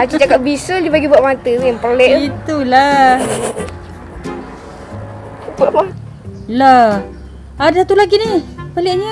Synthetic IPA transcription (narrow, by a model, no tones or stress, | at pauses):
at͡ʃit͡ʃakap̚bisəld͡ʒubaɡibuaʔmat̪əjaŋpolɛʔit̪ula | baʔma | la | adasat̪ulaɡinipəliʔɲə